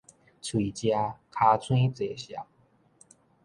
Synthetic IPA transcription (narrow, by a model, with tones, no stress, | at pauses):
t͡sʰwi˨˩t͡ɕja˧kʰa˧t͡sʰwĩ˥˦t͡se˨˩ɕja̰˨˩˦ŋ